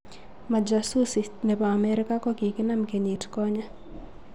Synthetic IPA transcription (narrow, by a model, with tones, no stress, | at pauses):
ma˨d͡ʒa˨su˦si˨nɛ˨paː˨mɛɾɪ˦ka˦kɔ˦ki˨kɪ˦na˦mke˨ɲi˨tkɔ˦ɲa˦